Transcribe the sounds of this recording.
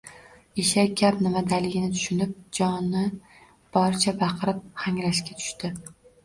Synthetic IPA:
iʃakʲʰapnɪmad̪alɪɡʲɪnɪt̪ʰʊ̥ʃʊnɪp̚d͡ʒɒnːɪ | b̥ɒɾt͡ʃʰabɑqʰɨɾɪp̚haŋɾaʃkʲat̪ʰʊ̥ʃt̪ɪ

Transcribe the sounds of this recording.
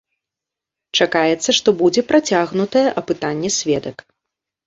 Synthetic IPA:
t͡ʂakajɛt̪sːɐʂt̪ɔbud͡zʲɛpɾat͡sʲaɣnut̪ɐjɛʔɐpɨt̪anʲːɛsʲvʲɛd̪ɐk

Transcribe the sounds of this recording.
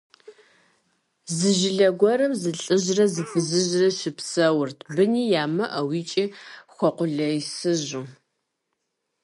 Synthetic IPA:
zɨʒɪɮɐɡʷɔɾɐmzɨɬʼɨʑrɐzɨfɨzɨʑrɐɕɪpsɐwʊrtʰbɨniːjaːmɐʔɐwiːt͡ʃʼixʷɔqʷʊɮɐjsɨʑuː

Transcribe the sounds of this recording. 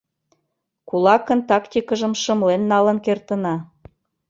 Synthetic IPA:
kulɑkə̆nt̪ɑkt̪ʲikə̆ʒə̆mʃɤ̆mlenːɑlə̆nkert̪ə̆nɑ

